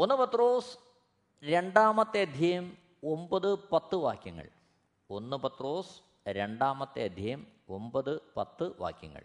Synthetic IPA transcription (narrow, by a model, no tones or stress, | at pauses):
o̞nːɨpɐt̪ːroːs | ɾe̞ɳɖaːmɐt̪ːeɐd̪ʱjɐjɐm | o̞mbɐðɨpɐt̪ːɨʋa̰ːkjɐŋːɐ̰ɭ | o̞nːɨpɐt̪ro̞ːs | ɾe̞ɳɖaːmɐt̪ːḛɐd̪ʱjɐjɐmo̞mbɐðɨpɐt̪ːɨʋa̰ːkjɐŋːɐ̰ɭ